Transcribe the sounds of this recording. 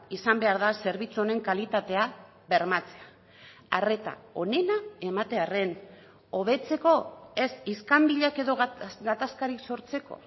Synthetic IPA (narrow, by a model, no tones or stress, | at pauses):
isambe̞aɾðase̞ɾβ̞it͡suo̞ne̞ŋkalit̪at̪e̞a | βe̞ɾmat͡se̞a | are̞t̪a̰o̞ne̞nae̞mat̪e̞are̞n | o̞β̞e̞t͡se̞ko̞e̞siskambiʎake̞ðo̞ɣɡat̪askaɾikso̞ɾt͡se̞ko̞̰